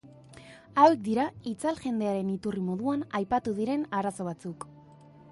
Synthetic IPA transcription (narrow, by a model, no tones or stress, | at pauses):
awek̚d̪iɾait͡salʝe̞nd̪eaɾe̞nit̪urimo̞ðuanajpat̪uðiɾe̞naɾaso̞β̞at͡suk